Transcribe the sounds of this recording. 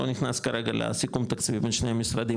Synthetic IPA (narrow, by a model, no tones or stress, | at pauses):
oniχnaskaɐɾeɡala̰sikumt̪akt͡svibenʃnejamisɾɐd̪i